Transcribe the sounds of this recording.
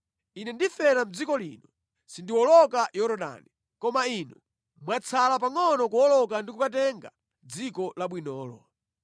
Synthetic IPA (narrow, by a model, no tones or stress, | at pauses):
inɛndifɛɾam̩d͡zikɔlḭːnɔ | sindiwɔlɔkajɔɾɔɗa̰ni | kɔmainɔ | mwat͡sʰalapaŋɔnɔkuwɔlɔkandikukatɛŋɡa | d͡zikɔlaɓwinɔːlɔ̰